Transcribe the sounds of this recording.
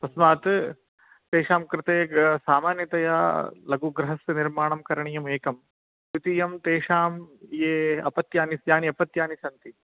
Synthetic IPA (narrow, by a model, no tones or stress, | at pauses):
pɐsmaːt̪ | t̪eːʂaːmkɾɪt̪eːsaːmaːnjɐt̪ɐjaːlɐɡuɡɾɐɦɐsniɾmaːɳɐmkɐɾɐɳijɐmeːkɐm | it̪ijɐmt̪eːʂaːmjeːɐ̰pɐt̪jaːnisjaːniɐpɐt̪jaːnisɐnt̪i